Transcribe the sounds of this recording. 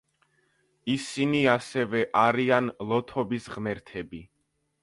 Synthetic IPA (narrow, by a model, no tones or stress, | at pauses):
isiniasɛvɛʔaɾianlˠɔt̪ʰɔbisʁmɛɾt̪ʰɛbi